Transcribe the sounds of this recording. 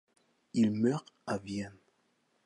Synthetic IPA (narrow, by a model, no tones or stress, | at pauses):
ilmœʁavjɛn